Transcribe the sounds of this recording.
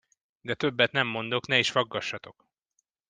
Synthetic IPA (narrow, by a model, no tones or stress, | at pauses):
d̪ɛt̪ø̞bːɛt̪nɛmːo̞nd̪o̞knɛiʃfɒɡːɒʃːɒt̪o̞k